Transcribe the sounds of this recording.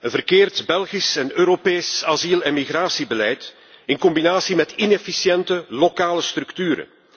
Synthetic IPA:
ənvərkeːrtbɛlˠɣisɛnøːɾopeːsazilɛnmiɣraːsibəlɛjt | ɪnkɔmbinaːsimɛtɪnefisjɛntəlokaːləst̪ɾɵkt̪yːɾə̰

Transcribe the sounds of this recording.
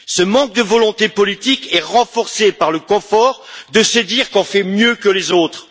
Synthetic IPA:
səmɑ̃k̚d̪əvɔlɔ̃t̪epɔlit̪ikɛʁɑ̃fɔʁsepaʁləkɔ̃fɔːʁd̪əsəd̪iʁkɔ̃fɛmjøkəlezot̪χ

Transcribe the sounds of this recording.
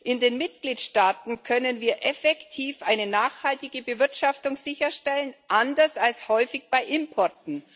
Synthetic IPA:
ʔɪndeːnmɪtɡ̥liːtʃtaːtn̩kʰœnənviːɐʔɛfɛktʰiːfʔaɪnənaːxhaltɪɡəbəvɪɐtʃaftʊŋz̥ɪçɐʃtɛlənʔandɐsalshɔʏfɪçb̥aɪʔɪmpʰɔɐtn̩

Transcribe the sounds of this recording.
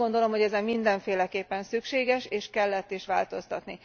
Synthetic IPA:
o̞nd̪o̞lo̞mhoɛzɛmmːind̪ɛɱfeːlɛkeːpːɛnsykʃeːɡɛʃeːʃkɛlːɛt̪ːiʃʋa̰ːlt̪o̞st̪ɒt̪ni

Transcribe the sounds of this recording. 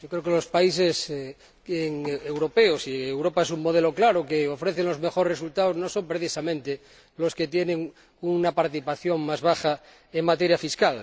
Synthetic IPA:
ʒokɾeokelospais̬es | eŋewɾopeosiewɾopaes̬uŋmoð̞eloklaɾokeofɾeθeŋlo̞zmexoɾres̬ult̪aoznosompɾeθisamẽnt̪e | losket̪jenẽŋ | unapaɾt̪iθipaθjoŋmazβaxa | eŋmat̪eɾjafiskal

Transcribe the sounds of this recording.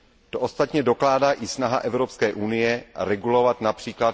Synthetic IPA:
t̪oʔost̪at̪ɲɛdo̞klaːdaːʔɪsnaɦaʔɛvɾo̞pskɛːʔunɪjɛɾɛɡulo̞vat̪napr̥iːklat

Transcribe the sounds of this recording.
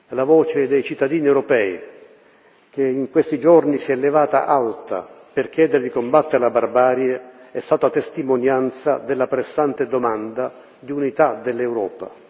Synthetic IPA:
lavɔːt͡ʃed̪ejt͡ʃit̪ːad̪iːniewɾɔpɛːi | k̟eiŋkwest̪id͡ʒornisiɛlːevaːt̪a̰ʔalt̪a̰ | pɪrk̟jɛːd̪eɾed̪ikombat̪ːeɾlabarbaːɾjeɛst̪aːt̪at̪est̪imonjant̪sad̪elːapɾesːant̪ɪd̪omand̪a | d̪iunit̪ad̪elːewɾɔːpa̰

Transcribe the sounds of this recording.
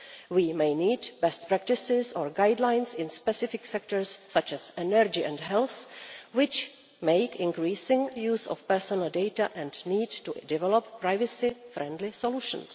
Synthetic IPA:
wiːmejniːdbɛst̚pɾɛk̚tɪsɪsɔɹɡajdlajnsɪ̃nspɛsɪfɪksɛk̚toɹsːat͡ʃɛsɛnɛɾd͡ʒɪʔɛ̰̃ndɦɛlθwɪt͡ʃ | meɪkɪ̃ŋkɾiːsɪ̃ŋjuːsɔ̰fpɛɹsɔnəl̩dejtaʔɛ̃ndniːdtudɛvɛlopːɾajvɛsɪfɾɛ̃ndlɪsoluʃə̰̃ns

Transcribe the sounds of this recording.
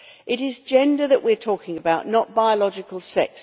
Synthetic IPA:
ʔɪɾɪzd͡ʒɛ̃ndəðəʔwɪətʰɔˑkɪ̃ŋəbaʊʔnəʔ̚b̥aɪəlɒd͡ʒɪkʰəlˠsɛ̰ks

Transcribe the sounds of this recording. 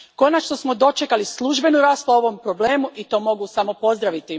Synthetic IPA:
ko̞nat͡ʃnosmo̞d̪o̞t͡ʃekalislˠuʒbe̞nuɾaːsplˠaoʋo̞mpɾo̞bleːmuʔit̪o̞ːmo̞ɡusamo̞po̞zd̪ɾaʋit̪i

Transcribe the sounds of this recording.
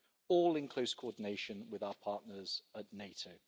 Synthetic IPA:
ɔːlɪ̃nkʰl̥əʊskʰəɔːdⁿɪneɪʃə̃nwɪðaʊəpʰɑˑʔnəz̥əʔneɪtʰəʊ

